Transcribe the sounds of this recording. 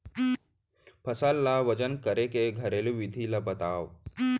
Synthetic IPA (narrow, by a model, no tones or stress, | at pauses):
pʰəsalːaʋɐd͡ʒənkɐɾekeɡʱɐɾeːluʋid̪ʱilabɐt̪aːʋ